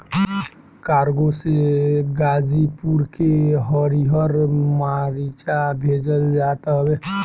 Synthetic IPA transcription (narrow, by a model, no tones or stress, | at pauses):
kaːɾɡoseɡaːd͡ʒipuɾkeɦɔɾiɦəɾmaɾit͡ʃabʱeːd͡ʒəld͡ʒaːt̪aɦbe